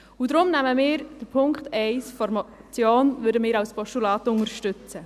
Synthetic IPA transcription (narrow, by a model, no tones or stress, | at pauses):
udɾʊmnæməmɪːɾd̥əɾpʰʊŋktɛɪsfɔɾmɑt͡sjoːnʋʏɾdəmɪːɾɑwspʰɔʃtulɑːtʊŋəɾʃtʏt͡sə